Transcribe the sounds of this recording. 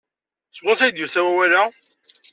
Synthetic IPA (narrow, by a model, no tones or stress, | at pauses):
sʁosæjd̪jusæwæwæla